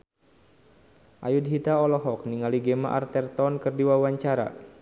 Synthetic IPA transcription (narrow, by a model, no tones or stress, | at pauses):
ʔajudɦit̪aɔlɔɦɔk̚niŋaliɡema̰ʔa̰rt̪ɛrt̪ɔnkɨrdiwawaɲt͡ʃaɾa̰